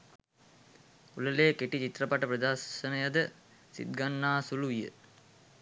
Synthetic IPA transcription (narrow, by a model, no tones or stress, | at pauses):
uləleːkeʈit͡ʃit̪rəpaʈəpɾɐd̪aːʃənɐjad̪ə | sḭd̪̚ɡanːaːsuluijə̰